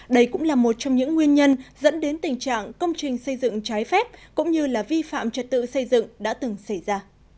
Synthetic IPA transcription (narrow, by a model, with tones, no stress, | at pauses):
ɗə˧jkʊ̰˧˥ŋ͡mlaː˨˩mo˨˩t̚t͡ɕɔ˧wŋ͡mɲɨ̰˧˥ŋːwi˧ənɲə˧nzə̰˧˥nɗe˨˦nt̪ï˨˩ŋ̟t͡ɕa̰ː˧˨ŋkə˧wŋ͡mt͡ɕï˨˩ŋ̟sə˧jzɨ̰˧˨ŋt͡ɕaː˨˦jfɛ˦˥p̚kʊ̰˧˥ŋ͡mɲɨ˧laː˨˩vi˧fa̰ː˧˨mt͡ɕə˨˩t̚t̪ɨ̰˧˨sə˧jzɨ̰˧˨ŋɗa̰ː˧˥t̪ɨ˨˩ŋsə˧˩jzaː˧